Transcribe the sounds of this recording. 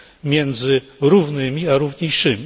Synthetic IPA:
mʲjɛnd̪zɘ | ɾuvnɘmʲiaɾuvɲejʂɘmʲi

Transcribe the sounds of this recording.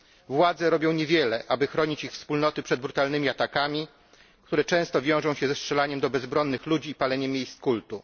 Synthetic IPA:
vwad̪zɛɾɔbʲjɔ̃w̃ɲɛvʲjɛlɛʔabɘxɾɔɲit͡ɕixfspulnɔt̪ɘpʂɛd̪̚bɾut̪alnɘmʲiat̪akamʲi | k̚t̪uɾɛt͡ʂɛ̃w̃st̪ɔvʲjɔ̃w̃ʐɔ̃w̃ɕɛzɛstʂɛlaɲɛmd̪ɔbɛzbɾɔnːɘxlud͡ʑiːpalɛɲɛmʲːjejskult̪u

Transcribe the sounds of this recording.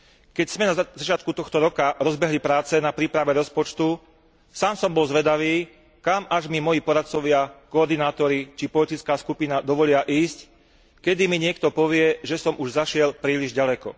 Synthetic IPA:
kɛcz̥mɛnazat͡ʃɪat̪̚kut̪ɔxt̪ɔɾɔkaɾɔzbɛɦlipɾaːt͡sɛnapɾiːpɾaʋɛɾɔspɔt͡ʃt̪u | saːmsɔmbɔlzʋɛd̪aʋiː | kamaʒmimɔjipɔɾat̪̚t͡sɔʋɪakɔːɾd̪inaːt̪ɔɾit͡ʃipɔlit̪it͡skaːskupinad̪ɔʋɔlɪaʔiːsc | kɛd̪imiɲɪɛkt̪ɔpɔʋɪɛʒɛsɔmʔuʒzaʃɪɛlpɾiːliʒɟalɛkɔ̰

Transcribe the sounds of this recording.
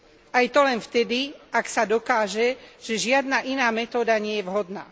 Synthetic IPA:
ajt̪ɔlɛnft̪ɛd̪iaksad̪ɔkaːʒɛʒ̥ɛʒɪad̪naʔinaːmɛt̪ɔːd̪aɲɪɛjɛʋɦɔd̪na̰ː

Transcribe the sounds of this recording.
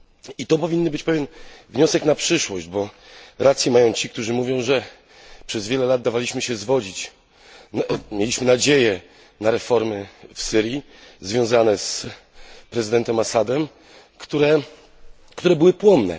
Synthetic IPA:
it̪ɔpɔvʲiɲːɨbɘt͡ɕpɛvʲjɛnvɲɔsɛknapʂɘʂwɔʑd͡ʑbɔɾat̪sʲjɛmajɔ̃w̃t͡ɕik̚t̪uʐɘmuvʲjɔ̃w̃ʐɛ | pʂɛzvʲjeɛlɛlad̪̚d̪avalʲiɕmɘɕɛzvɔd͡ʑit͡ɕ | mʲjelʲiɕmɘnad͡ʑejɛ | naɾɛfɔɾmɘfsɘɾji | zvʲjɔ̃w̃zanɛs | pɾɛzɘd̪ɛnt̪ɛmasad̪ɛm | kt̪uɾɛ | kt̪uɾɛbɘwɘpwɔnːɛ̰

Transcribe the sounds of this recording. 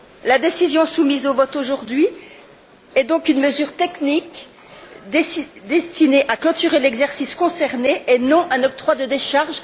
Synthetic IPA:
lad̪esizjɔ̃sumizovɔt̪oʒuʁd̪ɥi | ɛd̪ɔ̃kynməzyʁt̪ɛknik | d̪ed̪ɛst̪ineʔaklɔt̪yʁelɛɡzɛʁsiskɔ̃sɛʁneʔenɔ̃ʔɛ̃nɔk̚t̪χwad̪əd̪eʃaʁʒ

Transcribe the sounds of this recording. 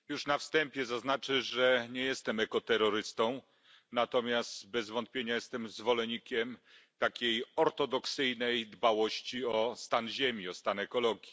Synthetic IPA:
juʂnafst̪ɛmpʲjɛzaznat͡ʂɘʐɛɲɛjɛst̪ɛmɛkɔt̪ɛɾːɔɾɘst̪ɔ̃w̃ | nat̪ɔmʲjast̪bɛzvɔnt̪̚pʲjeɲajɛst̪ɛmzvɔlɛɲikʲɛm | t̪akʲejɔɾt̪ɔd̪ɔksɘjnɛjd̪bawɔɕt͡ɕiɔst̪anʑemʲiɔst̪anɛkɔlɔɡʲji

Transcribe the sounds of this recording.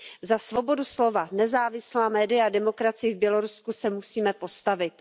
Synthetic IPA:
zasvo̞bo̞duslo̞vanɛzaːvɪslaːmɛːdɪjaadɛmo̞kɾat͡sɪjɪvbjɛlo̞ɾuskusɛmusiːmɛpo̞st̪avɪt̪̚

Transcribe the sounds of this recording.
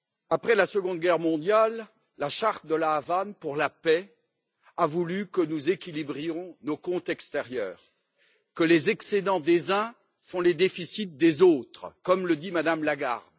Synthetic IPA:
apχɛlasəɡɔ̃d̪ɡʲɛʁmɔ̃d̪jalː | aʃaʁt̪̚d̪əlaːvanpuʁlapɛ | avulykənuzekʲilibʁjɔ̃nokɔ̃t̪ɛkst̪ɛʁjœ̰ːʁ | kəlezɛksed̪ɑ̃d̪ezɛ̃ | fɔ̃led̪efisit̪̚d̪ezot̪χkɔmləd̪imad̪amlaɡa̰ʁd̪

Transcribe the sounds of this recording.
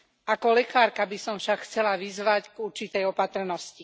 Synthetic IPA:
ʔakɔlɛkaːɾkabisɔmfʃakxt͡sɛlaʋizʋacɡuɾt͡ʃit̪ɛjɔpat̪r̩nɔsci

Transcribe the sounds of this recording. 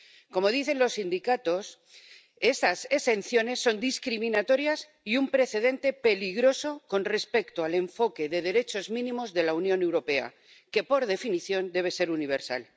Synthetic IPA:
ko̞mo̞ðiθe̞nlo̞sːind̪ikat̪o̞s | e̞st̪ase̞se̞nθjo̞ne̞sːo̞nd̪iskɾimĩnat̪o̞ɾjas | iumpɾe̞θe̞ð̞e̞nt̪e̞pe̞liɣɾo̞so̞ko̞nre̞spe̞kt̪oale̞ɱfo̞ke̞ðe̞ð̞e̞ɾe̞t͡ʃo̞zmĩnĩmo̞zðe̞launjõ̞ne̞wɾo̞pe̞a̰ | ke̞po̞ɾðe̞finiθjo̞nd̪e̞β̞e̞se̞ɾuniβ̞e̞ɾsa̰l

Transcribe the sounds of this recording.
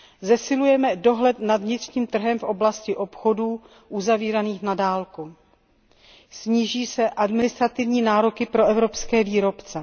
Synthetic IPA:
zɛsɪlujɛmɛdo̞ɦlɛt̪nadvɲɪt̪r̥ɲiːmt̪r̩ɦɛmfʔo̞blascɪʔo̞pxoduː | ʔuzaviːɾaniːxnadaːlku | sɲiːʒiːsɛʔadmɪnɪst̪ɾat̪ɪvɲiːnaːɾokɪpɾo̞ɛvɾo̞pskɛːviːɾo̞pt͡sɛ

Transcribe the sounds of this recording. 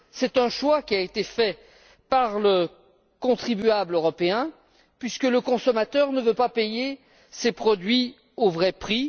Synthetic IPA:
sɛt̪ɛ̃ʃwakʲiaet̪efɛ | paʁlə | kɔ̃t̪χibyabløʁɔpeɛ̃ | pɥiskələkɔ̃sɔmat̪œʁnəvøpapeje | sepχɔd̪ɥi | ovʁɛpχi

